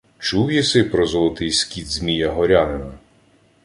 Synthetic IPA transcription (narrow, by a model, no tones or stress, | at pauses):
t͡ʃuwjisɪpɾɔzɔlˠɔt̪ɪjsʲkʲid̪zʲmʲijɐɦɔɾʲanenɐ